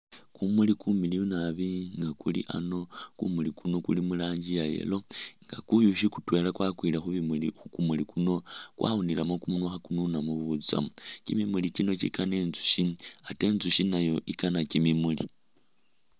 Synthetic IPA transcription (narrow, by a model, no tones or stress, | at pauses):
kumulikumilijunaβiŋɡakulḭʔa̰no̞kumulikuno̞kulimulaːɲd͡ʒijajḛlo̞ŋɡa̰kujuʃikutwe̞lakwakwilexuβimulixukumulikuno̞kwʔa̰unilamokumunwaxakununamuβut͡sa̰mucimimulit͡ʃino̞t͡ʃḭkanenzu̥ʃiate̞ːnzuʃinajo̞ʔikanacimimulḭ